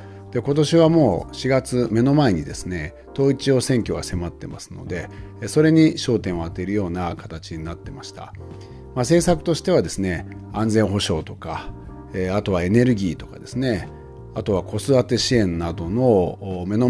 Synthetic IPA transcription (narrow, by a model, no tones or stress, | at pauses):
d̪̥e̞ko̞t̪o̞ɕiβamo̞ːɕiɡat͡sɨme̞no̞mae̞ɲ̟id̪e̞sɨne̞ | t̪o̞ːit͡ɕio̞ːsẽ̞ŋkʲo̞ɡase̞mat̪ːe̞masɨ̥no̞̰d̪e̞so̞ɾe̞ɲ̟iɕo̞ːt̪ẽɰ̃at̪ːe̞ɾɯ̟jo̞ːnakat̪at͡ɕiɲ̟inat̪ːe̞maɕi̥t̪a̰ | mase̞ːsakɯ̟̥t̪o̞ɕi̥t̪e̞βad̪e̞sɨne̞ | ãnd͡zẽ̞ɰ̃ɦo̞ɕo̞ːt̪o̞ka | eat̪o̞β̞ae̞ne̞ɾɯ̟ɡʲiːt̪o̞̥kad̪e̞sɨne̞ | at̪o̞βakʰo̞sɨat̪e̞ɕiẽ̞nnːad̪o̞no̞me̞no